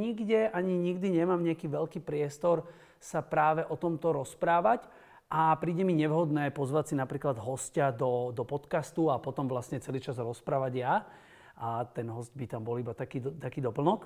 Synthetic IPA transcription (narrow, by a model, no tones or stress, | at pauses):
ɲiɡɟɛʔaɲiɲiɡd̪iɲɛmaːmɲɛakiːʋɛʎkiːpɾɪɛst̪ɔɾ | sapɾaːʋɛʔɔt̪ɔmt̪ɔɾɔspɾaːʋac | ʔapɾiːɟɛmiɲɛʋɦɔd̪nɛːpɔzʋacsinapɾiːklad̪ɦɔscad̪ɔd̪ɔpɔt̪kast̪uapɔt̪ɔmʋlasɲɛt͡sɛliːt͡ʃazɾɔspɾaːʋaɟja | at̪ɛnɦɔsɟbit̪ambɔlibat̪akiːd̪t̪akiːd̪ɔpl̩nɔk